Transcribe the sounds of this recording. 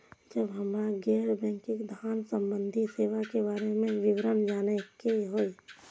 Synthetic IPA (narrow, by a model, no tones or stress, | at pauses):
d͡ʒəbɦəmɾaɡɛːɾbɛ̃ːŋkɪkd̪ʱaːnsə̃mbə̃nd̪ʱiseːʋakebaːɾemẽʋɪwɾənd͡ʒaːnekeɦoːi